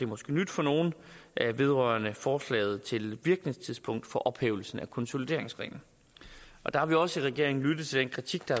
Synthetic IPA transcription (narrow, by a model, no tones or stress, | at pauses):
d̥e̝mɒsɡ̥e̝̰ːnyd̥fɒ̽no̝ːn̩ʔæʋe̝ð̞ˠʁœːɐnəfɒːslɛ̰ːð̩ˠt͡sʰe̝lʋiɐɡ̥ne̝ŋst͡sʰiðˠspʰɔ̽ŋ̰d̥fɒ̽ʔɒ̽b̥heːʊl̩sn̩ækʰɒ̽nso̝lid̥e̝ɐ̰e̝ŋsʁɛ̰ːn̩ | ʔɒ̽d̥ɑ̈hɑ̈ʋiɒ̽səiʁɛɡ̥e̝ɐ̰e̝ŋn̩lyd̥ð̩ˠt͡sʰe̝d̥enkʰʁit͡sʰiɡ̥d̥ɑ̈